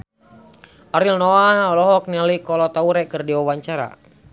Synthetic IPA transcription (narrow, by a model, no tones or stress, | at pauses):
ʔaɾilnɔahɔlɔɦɔk̚nilikɔlɔt̪auɾɛkɨrdiawaɲt͡ʃaɾa̰